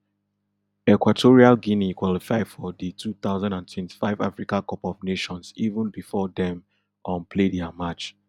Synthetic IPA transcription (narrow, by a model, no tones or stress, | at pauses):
ɛkwatʰoɹialɡĩnikwɔlifaɪdfɔðitʰuθaʊzãndãntwɛ̃nti̥faɪva̰fɹikãkɔpɔvneʃɔ̃nsivə̃nbifɔdɛ̃m | ʔɔ̃npʰledɛamat͡ʃ